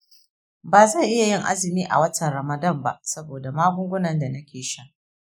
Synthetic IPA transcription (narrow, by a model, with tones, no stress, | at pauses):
baː˨zɐ˦˨ʔɪ˦ja˨jɪ˦˨ŋʔa̰˦zɪ˨miː˦ʔa̰˨wɐ˦tʰɐ˨nɾɐ˨mɐ˨dɐ˦˨mba̰˦ʔsɐ˦boː˨da˨maː˦ɡʷʊ˦ŋɡʷʊ˦nɐ˨nda˨nɐ˦kʲʰeː˨ʃa˦